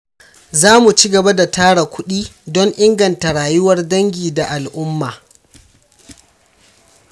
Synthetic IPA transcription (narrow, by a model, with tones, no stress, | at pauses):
zaː˦mu˨t͡ʃi˦ɡɐ˨ba˦da˨taː˦ɽa˨kʷʊ˦ɗiː˦dɔ˦ŋʔɪ˦ŋɡɐ˨nta˨ɽaː˨jʊ˦wɐ˦rdɐ˦ŋɡʲiː˨da˨ʔa˨lʔʊ˦mːaː˨